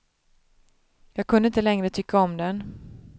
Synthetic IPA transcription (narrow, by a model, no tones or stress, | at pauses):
jɑːɡ̚kʰɵnd̪əɪnt̪əlɛŋɾət̪ʰʏkːaɔmd̪ɛn